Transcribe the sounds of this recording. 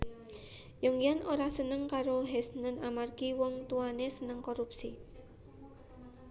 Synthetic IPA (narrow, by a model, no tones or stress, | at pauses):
jɔŋijanʔoɾasənəŋkaɾoɦɛsnənʔamarɡiwɔŋt̪uanesənəŋkoɾupsḭ